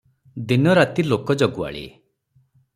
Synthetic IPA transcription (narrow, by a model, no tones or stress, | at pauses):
d̪inɔɾat̪ilokɔd͡ʒɔɡua̰ɭḭ